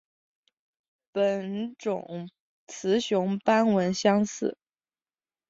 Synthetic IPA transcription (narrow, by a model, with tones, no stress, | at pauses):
pə˨˩nʈ͡ʂʊ˨˩˦ŋ | t͡sʰɹ̩˧˥ɕjʊ˧˥ŋpa˥nwə˧˥nɕjɑ˥ŋsɹ̩˥˩˦